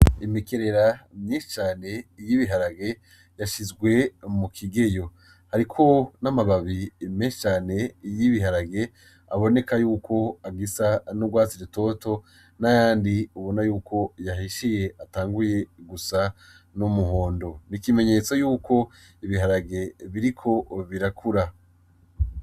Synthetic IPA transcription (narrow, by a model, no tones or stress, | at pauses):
imikeɾeɾamɲiːʃt͡ʃaːne̞ijiβiɦaɾaɡe̞ | jaʃizɡwe̞mukʰiɡe̞jo̞ | haɾikʰo̞namaβaβimɲiːʃt͡ʃaːne̞ijiβiɦaɾaɡe̞ | aβo̞ne̞kajuːkʰo̞aɡisanuɡwaːziɾeto̞to̞ | najaːndiuβo̞najuːkʰo̞jaɦiʃije̞ʔataːŋɡuje̞ɡusa | numuɦoːndo̞nikime̞ɲe̞t͡so̞juːkʰo̞ | iβiɦaɾaɡe̞βiɾikʰo̞βiɾakʰuɾa